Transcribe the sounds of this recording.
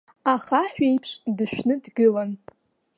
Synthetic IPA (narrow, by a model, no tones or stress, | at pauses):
aχaħʷᶣejpʰʂdɨʃᶣnɨdɡɨlan